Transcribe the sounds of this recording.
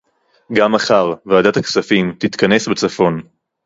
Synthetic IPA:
ɡamaχaʁvaːd̪at̪aksafimt̪it̪kɐne̞sbet͡safo̞n

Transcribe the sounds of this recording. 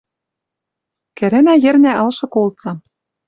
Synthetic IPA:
kɘ̆ɾɘ̆næjɘ̆rnæʔɤ̆lʃɤ̆kolˠt͡sɑ

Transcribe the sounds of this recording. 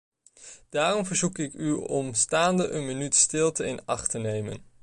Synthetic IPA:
d̥aːrɔmvəɹzukɪkyɔmstaːndəʔənmənytstɪlˠtəɪnɑχtənejmə̰n

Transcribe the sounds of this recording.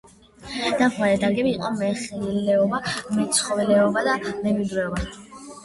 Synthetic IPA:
d̪̥aχmaɾɛd̪aɾɡɛbiːqʼɔmɛχilɛɔbamɛt̪sʰχɔvɛlɛɔbad̪amɛmid̪ɾɛɔba

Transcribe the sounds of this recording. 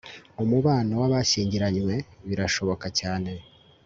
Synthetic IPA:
umuβaːnowaβaʃiːɲɟiɾaɲwe̞βiɾaʃo̞βo̞kacaːne̞

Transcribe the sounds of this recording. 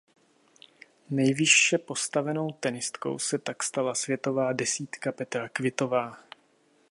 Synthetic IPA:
nɛjvɪʃːɛpo̞st̪avɛno̞wt̪ɛnɪst̪ko̰wsɛt̪akst̪alasvjɛt̪o̞vaːdɛsiːt̪kapɛt̪ɾakvɪt̪o̞vaː

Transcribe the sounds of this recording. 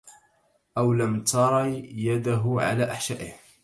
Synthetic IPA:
ʔawlamt̪ɑɾˤɑjad̪aɦʊʕa̰laːʔaħʃaːʔɪh

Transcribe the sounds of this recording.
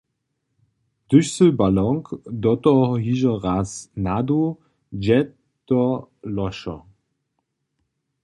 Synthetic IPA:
d̪̥ʏɕsəbalɔŋkd̪ɔt̪ɔɦiʒɔʁasnad̪o | d͡ʑɛ | t̪ɔlɔʃɔ̰

